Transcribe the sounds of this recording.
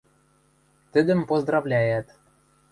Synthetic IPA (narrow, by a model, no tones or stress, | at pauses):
t̪ɘ̆d̪ɘ̆mpozd̪rɑvlʲæjæt̪